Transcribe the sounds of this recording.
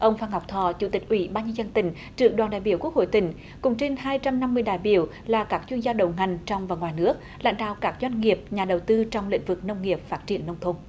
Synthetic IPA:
ʔə˧wŋ͡mfaː˧ŋha˨˩k͡p̚t̪ʰɔ˨˩t͡ɕṵ˧˥˩t̪ï˨˩k̟̚ʔwḭ˧˩˦ɓaː˧nɲə˧zə˧nt̪ï˧˩ŋ̟ | t͡ɕɨ˨˩ək̚ɗwaː˨˩nɗa̰ː˧˨jɓi˧˩əku˦˥ək̚ho̰˧˨jt̪ï˧˩˦ŋ̟ | kʊ̰˧˥ŋ͡mt͡ɕe˧nhaː˧jt͡ɕa˧mna˧mːɨ˧əjɗaː˨jɓḭ˧˩əw | laː˨˩kaː˦˥k̚t͡ɕwi˧ənzaː˧ɗə˨˩˦wŋa˨˩jŋ̟t͡ɕɔ˧wŋ͡mvaː˨˩ŋwaː˨˩jnɨ˦˥ək̚ | la̰˧˥jŋ̟ɗa̰ː˧˨wkaː˦˥k̚zwa˧jŋ̟ŋi˨˩əp̚ɲaː˨˩ɗə˨˩wt̪ɨ˧t͡ɕɔ˧wŋ͡mlḭ̈˧˥ŋ̟vɨ˨˩k̚nə˧wŋ͡mŋi˨˩əp̚faː˦˥t̚t͡ɕi˨˩ənːə˧wŋ͡mt̪ʰo˧n

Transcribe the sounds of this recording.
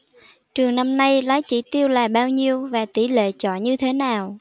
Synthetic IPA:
t͡ɕɨ˨˩əŋna˧mna˧jlaː˨˦jt͡ɕḭ˧˩t̪i˧əwlaː˨˩ɓaː˧wɲi˧əwvaː˨˩t̪i˧˩lḛ˧˨t͡ɕɔ̰˧˨ɲɨ˧t̪ʰe˨˦naː˨˩w

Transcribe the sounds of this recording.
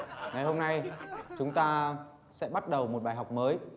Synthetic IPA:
ŋa˨˩jɦo˧mna˧jt͡ɕʊ˨˦ŋ͡mt̪aː˧ | sɛ̰˧˥ɓa˦˥t̚ɗə˨˩wmo˨˩ɓaː˨˩jɦa˨˩wk͡p̚məː˨˦j

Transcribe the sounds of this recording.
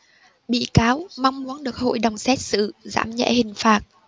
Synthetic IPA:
ɓḭ˧˨kaː˨˦wma˧wŋ͡mmu˨˦ənɗɨ˨˩ək̚ho̰˧˨jɗə˨˩wŋ͡msɛ˦˥t̚sɨ̰˧˨za̰ː˧˩mɲɛ̰˧˥hï˨˩ŋ̟faː˨˩t̚

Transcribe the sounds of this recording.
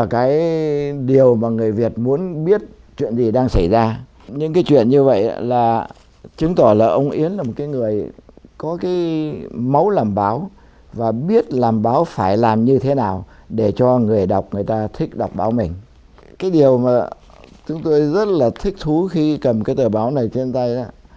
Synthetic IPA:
ə˧˩kaː˨˦jɗi˨˩əwmaː˨˩ŋɨ˨˩əjvi˨˩ət̚mu˨˦ənɓi˦˥ət̚ | t͡ɕwḭ˧˨ənzi˨˩ɗaː˧ŋsə˧˩jzaː˧ | ɲɨ̰˧˥ŋkaː˨˦jt͡ɕwḭ˧˨ənɲɨ˧və̰˧˨jʔlaː˨˩ | t͡ɕɨ˨˦ŋt̪ɔ˧˩laː˨˩ʔə˧wŋ͡mʔḭ˨˦ənla˨˩mo˨˩t̚kaː˨˦jŋɨ˨˩əjkɔ˨˦kaː˨˦jmə˨˦wlaː˨˩mɓaː˨˦w | vaː˨˩ɓi˦˥ət̚laː˨˩mɓaː˨˦wfaː˧˩jlaː˨˩mɲɨ˧t̪ʰe˨˦naː˨˩wɗe˧˩t͡ɕɔ˧ŋɨ˨˩əjɗa˨˩wk͡p̚ŋɨ˨˩əjt̪aː˧t̪ʰï˦˥k̟̚ɗa˨˩wk͡p̚ɓaː˨˦wmï˨˩ŋ̟ | kaː˨˦jɗi˨˩əwmaː˨˩ | t͡ɕʊ˨˦ŋ͡mt̪o˧jzə˦˥t̚laː˨˩t̪ʰï˦˥k̚t̪ʰu˨˦xi˧kə˨˩mkaː˨˦jt̪ɨː˧˩ɓaː˨˦wna˨˩jt͡ɕe˧nt̪a˧jʔa˨˦

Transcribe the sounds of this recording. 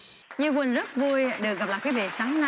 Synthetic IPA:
ɲɨ˧kwï˨˩nzə˦˥t̚vu˧jɗɨ˨˩ək̚ɣa˨˩p̚la̰ː˧˨kaː˨˦jvḛ˧˨˩saː˨˦ŋna˧

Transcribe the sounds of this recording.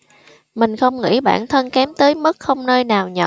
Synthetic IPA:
mï˨˩ŋ̟xə˧wŋ͡mŋḭ˧˥ɓa̰ː˧˩nt̪ʰə˧nkɛ˨˦mt̪əː˨˦jmə˦˥t̚xə˧wŋ͡mnəː˧jnaː˨˩wɲə̰˧˨

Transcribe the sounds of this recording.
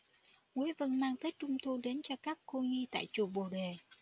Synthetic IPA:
ŋu˨˦əjvə˧nmaː˧ŋt̪ʰə˦˥jk̚t͡ɕʊ˧ŋ͡mt̪ʰu˧ɗe˨˦nt͡ɕɔ˧kaː˦˥kːo˧ŋi˧t̪a̰ː˧˨jt͡ɕu˨˩ɓo˨˩ɗe˨˩

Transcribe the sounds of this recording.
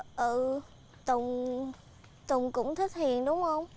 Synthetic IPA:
ʔɨ˧˩ | t̪ʊ˨˩ŋ͡m | t̪ʊ˨˩ŋ͡mkʊ̰˧˥ŋ͡mt̪ʰi˦˥k̟̚hḭ˨ənɗʊ˨˦wŋ͡mhə˧wŋ͡m

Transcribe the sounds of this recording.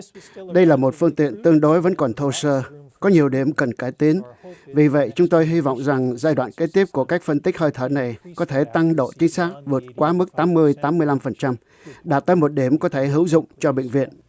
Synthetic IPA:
ɗə˧jlaː˨˩mo˨˩t̚fɨ˧əŋt̪ḭ˧˨ənt̪ɨ˧əŋɗo˨˦jvə̰˧˥nkɔ˨˩nt̪ʰo˧səː˧kɔ˨˦ɲi˨˩əwɗi˧˩əmkə˨˩nkaː˧˩jt̪i˨˦ənvi˨˩və̰˧˨jt͡ɕʊ˨˦ŋ͡mt̪o˧jɦi˧vɔ̰˧˨wŋ͡mza˨˩ŋzaː˧jɗwa̰ː˧˨nke˨˦˥t̪i˦˥əp̚ku˧˩əkaː˦˥jk̟̚fə˧nt̪ï˦˥k̚həː˧jt̪ʰəː˧˩na˨˩jkɔ˨˦t̪ʰe˧˩t̪a˧ŋɗo̰˧˨t͡ɕï˨˦ŋ̟saː˦˥k̚vɨ˨˩ət̚kwaː˨˦mɨ˦˥k̚t̪aː˨˦mːɨ˧əjt̪aː˨˦mɨ˧əjla˧mfə˨˩nt͡ɕa˧m | ɗaː˨˩t̚t̪əː˨˦jmo˨˩t̚ɗi˧˩əmkɔ˨˦t̪ʰe˧˩ɦɨ˨˦wzʊ̰˧˨ŋ͡mt͡ɕɔ˧ɓḛ˧˨ŋ̟vḭ˧˨ən

